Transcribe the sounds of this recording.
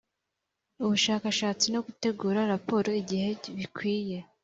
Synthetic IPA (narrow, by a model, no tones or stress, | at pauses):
uβuʃaːkaʃaːt͡sino̞ɡute̞ɡuːɾaɾapo̞ːɾo̞iɟihe̞βikwiːje̞